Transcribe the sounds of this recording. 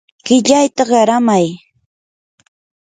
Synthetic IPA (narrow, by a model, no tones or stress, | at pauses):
ɢ̥ɪʎajt̪aɢɑɾamaj